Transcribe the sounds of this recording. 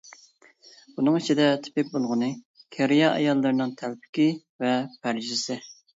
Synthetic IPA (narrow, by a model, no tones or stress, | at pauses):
bunɨŋit͡ʃʰid̪ɛt̪ʰɪ̥pɪk̚ʲbolˠʁənɨ | kʲʰæɾɪjɑʔɑ̰jɑlˠːɨɾnɨŋt̪ʰælpʰɪ̥kʲi | vɛpʰæɾʒɪsɪ